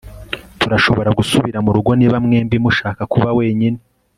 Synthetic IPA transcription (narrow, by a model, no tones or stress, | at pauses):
tuɾaʃo̞βo̞ɾaɡusuβiɾamuɾuɡo̞niːβamŋe̞ːmbimuʃaːkakuβawe̞ːɲine